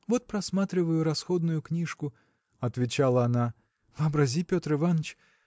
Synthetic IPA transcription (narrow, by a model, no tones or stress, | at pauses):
vɔt̪̚pɾɐsmat̪ɾʲɪvəjʊɾɐsxɔd̪nʊjʊknʲiʂkʊ | ɐt̪vʲɪt͡ɕalˠɐːna | vɨɐbɾɐzʲipʲot̪ɾɨvanət͡ɕ